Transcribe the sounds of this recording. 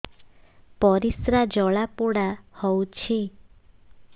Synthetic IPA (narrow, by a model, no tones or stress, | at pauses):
pɔɾisɾad͡ʒɔɭapoɽahɔwut͡ʃʰi